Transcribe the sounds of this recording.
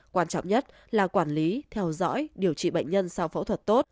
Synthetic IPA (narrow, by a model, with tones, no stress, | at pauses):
kwaː˧nt͡ɕɔ̰˧˨wŋ͡mɲə˦˥t̚ | laː˨˩kwaː˧˩nli˨˦t̪ʰɛ˧wzɔ̰˧˥jɗi˧˩əwt͡ɕḭ˧˨ɓə̰˧˨ŋ̟ɲə˧nsa˧wfa˨˧˦wt̪ʰə˨˩t̚t̪o˦˥t̚